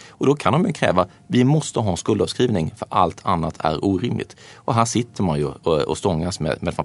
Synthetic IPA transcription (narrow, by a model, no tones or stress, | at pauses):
ɔd̪ɔkʰand̪ɔmjɵkʰɾɛ̰ːva | vɪmɔst̪əɦɑːɛnskɵld̪ɑvskɾiːvnɪŋfœɾʔalt̪ʰanːat̪ʰæ̰ɾuːɾɪmlɪ̰t̪ʔɔɦæːʂɪt̪ʰːəɾmajɵɔ̰st̪ɔŋːasmɛ̰d̪mɛːd̪fa